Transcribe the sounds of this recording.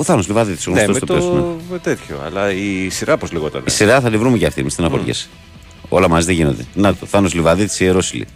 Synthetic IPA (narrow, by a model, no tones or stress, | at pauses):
oθɐnozlivɐðit̪i̥soɣnseomet̪oteosumemet̪et̪çoɐ̰lɐisiɾɐpozliɣot̪ɐ̰nisiɾɐθɐt̪ivɾumeceɐft̪imist̪enɐfo̰ɾʝḛs | o̞lɐmɐziðeʝinond̪enɐt̪oθɐnozlivɐðit̪i̥sieɾosilḭ